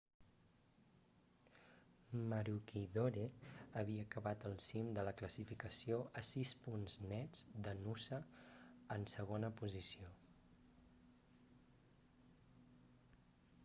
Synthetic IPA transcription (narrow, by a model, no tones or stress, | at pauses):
məɾukiðoɾeəβiəːkəβat̪əlˠsimd̪ələkləsifikəsioʔəsispunznɛd͡zd̪ənusəː | nsəɣ̞onəpuzisio